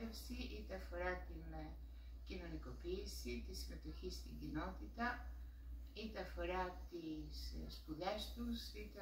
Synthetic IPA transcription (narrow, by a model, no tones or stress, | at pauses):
ɛsiʔit̪afɔɾat̪imɛ | kinonikopisit̪ismɛt̪uxist̪iŋɡinɔt̪it̪a | it̪afɔɾat̪isspuðɛst̪usit̪